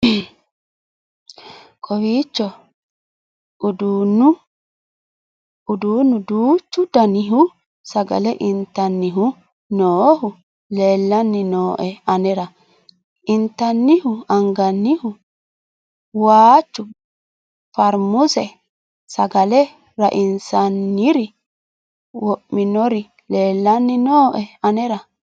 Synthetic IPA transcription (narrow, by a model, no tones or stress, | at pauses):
kʰʼɔwiːt͡ʃːɔ | d̪uːnːʊ | ʊd̪uːnːʊd̪uːt͡ʃːʊd̪ɐnɪɦʊ | sɐɡɐ̰lɛʔɪnt̪ːɐnːɪɦʊ | noːɦʊ | leːlːɐnːɪnoːʔɛɐnɛɾɐ | ʔɪnt̪ːɐnːɪhʊɐŋɡɐnːɪhʊ | waːt͡ʃːʊ | fɐɾmʊsɛ | sɐɡɐlɛ | ɾɐ̰ʔɪnsɐnːɪɾɪ | wɔʔːɪnɔɾɪ | leːlːɐnːɪnoːʔɛɐnɛɾɐ